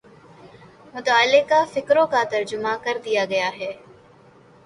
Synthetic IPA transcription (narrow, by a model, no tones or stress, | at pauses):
mʊt̪aːlːɪkːafɪkɾõkat̪ɐɾd͡ʒʊmakɐɾd̪ijaɡɐjaɦɛː